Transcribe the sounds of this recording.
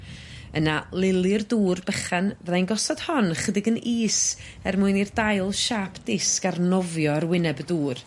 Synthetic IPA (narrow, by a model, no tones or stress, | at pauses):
ənalˠɪlˠɨrduːrbəχanrajnɡɔsɔd̥hɔnχədɪɡəniːs | ɛrmuɨnirdajlˠʃaːpʰd̥ɪskarnɔvjɔrwɪnɛbəduːr